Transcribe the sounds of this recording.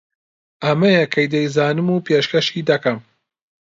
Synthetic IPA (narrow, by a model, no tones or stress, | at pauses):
ʔɐmɐjɐkʰɐjd̪ɐjzaːnɨmuːpʰeːʃkɐʃiːd̪ɐkɐm